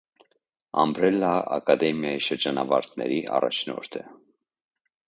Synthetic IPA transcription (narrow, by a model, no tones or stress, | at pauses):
ɑmbɾɛlːɑɑkɑd̪ɛmjɑjiʃəɾd͡ʒɑnɑvɑɾt̪ʰnɛ̰ɾiʔɑ̰rɑ̰t͡ʃʰnɔ̰ɾt̪ʰə